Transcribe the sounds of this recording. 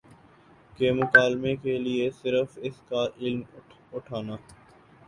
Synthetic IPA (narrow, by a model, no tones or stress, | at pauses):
kemʊkaːlmekeliesɪɾəfɪskaʔɪlm | ʊʈʰaːnaː